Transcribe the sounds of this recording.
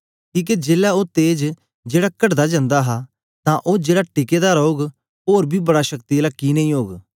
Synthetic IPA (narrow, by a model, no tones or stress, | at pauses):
kiːk̬ed͡ʒeːlaoːt̪eːd͡ʒ | d͡ʒeːɽaːkəʈd̪aːd͡ʒãːnd̪aːɦaː | t̪ãːʔoːd͡ʒeːɽaːʈɪkeːd̪aːɾoːɡ | oːɾbʱiːbəɽaʃəkt̪ilaːkiːnə̃ːĩːɦoːɡ